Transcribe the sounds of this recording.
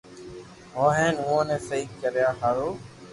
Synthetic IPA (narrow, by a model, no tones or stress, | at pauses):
ɦoːɦɛ̃ːnʊõːnẽːsəiːkkːəɾjaːɦaːɾoː